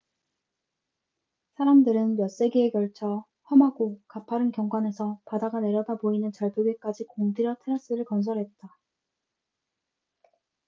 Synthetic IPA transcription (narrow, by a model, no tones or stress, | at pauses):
sʰaɾamdɯɾɯnjʌs͈e̞ɡeekjʌɭt͡ɕʰʌ | hʌmɦaɡokapʰaɾɯnkjʌŋɡwane̞sʰʌpadaɡane̞ɾjʌdaboinɯnt͡ɕʌɭpjoɡek͈ad͡ʑikoŋdiɾjʌtʰeɾʌs͈ɯɾɯɭkʌns̬ʰʌɾɦe̞t̚t͈a